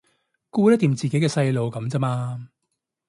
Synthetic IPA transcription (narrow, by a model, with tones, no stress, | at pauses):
kuː˧lɐː˥t̪iː˨˩mt͡siː˨ke˨˥jkɛː˧sɐ˧jlo˨wkɐ˨˧˦mt͡sɐ˥maː˧